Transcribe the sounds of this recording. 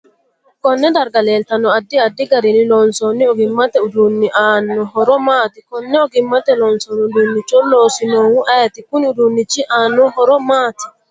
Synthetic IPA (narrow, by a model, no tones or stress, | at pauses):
kɔnːɛdaɾɡalɛltanɔadːiadːiɡaɾinilɔnsɔnːiɔɡimːat̪ɛudunːiʔanːɔɦɔɾɔmaːt̪ikɔnːɛɔɡimːat̪ɛlɔnsɔnudunːit͡ʃɔlɔsinɔwuʔat̪ikuniudunːit͡ʃiʔanːɔhɔɾɔmat̪i̥